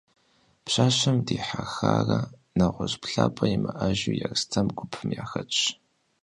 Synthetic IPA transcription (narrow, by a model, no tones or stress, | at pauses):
pɕaːɕɐmdiːħaxaːrɐ | nɐʁʷɔɕpɬaːpʰʼɐjimɐʔɐʒujarstʰɐmɡʷʊpʰɨmjaːxɐt͡ʃʼ